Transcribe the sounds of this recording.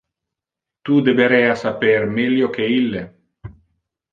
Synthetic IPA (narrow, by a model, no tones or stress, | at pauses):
t̪ud̪ebeɾɛːasapermeljok̟eilːe